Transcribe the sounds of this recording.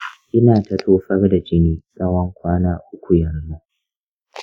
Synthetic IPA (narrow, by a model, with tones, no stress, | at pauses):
ʔɪ˦naː˨tɐ˨tʰoː˦ɸɐ˦rda˨d͡ʒɪ˦niː˦sʼɐ˦wɔ˦ŋkʷaː˦naː˦ʔʊ˦kʷu˨jɐ˨rnu˦